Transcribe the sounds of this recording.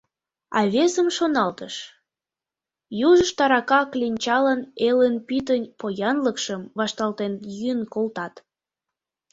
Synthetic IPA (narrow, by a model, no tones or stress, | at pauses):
ɑ̰βesəmʃonɑlt̪əʃ | juʒəʃt̪ɑɾɑkɑklʲinʲt͡ɕɑlənelenpit̪ənʲpojɑnləkʃəmβɑʃt̪ɑlt̪enjyənkolt̪ɑt̪